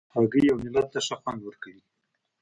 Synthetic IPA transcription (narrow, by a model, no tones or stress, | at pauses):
aɡəjawnɪlat̪̚t̪aʃaxwand̪wəɾkawi